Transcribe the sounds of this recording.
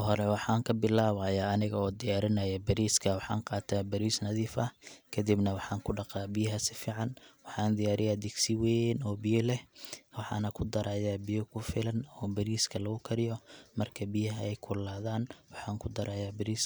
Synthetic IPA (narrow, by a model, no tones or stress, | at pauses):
ɦɔɾɛwɑħɑːŋkʰɐbɪlaːβaːjaːɐnɪɣɐɔːd̪ɪjaːɾɪnɐjɐbɐɾiːskʰɐwɑħɑ̰ːŋqɑːt̪ʰaːbɐɾiːsnɐðiːfɐkʰɐd̪ibnɐwɑħɑːŋkʰʊɖɑqɑːbɪjɐɦɐsɪfiːʕɑnwɑħɑːnd̪ɪjaːɾɪjaːd̪ɪɡsɪwɛnɔːbɪjɔlɛhwɑħɑ̰ːnɐkʰʊd̪ɐɾʔaːjaːbɪjɔkʰʊfɪlɐnɔːbɐɾiːskʰɐlɐɣʊkʰɐɾɪjɔmɐrkʰɐbɪjɐɦɐɛjkʰʊlaːðaːnwɑħɑːŋkʰʊd̪ɐɾaːjaːbɐɾiːs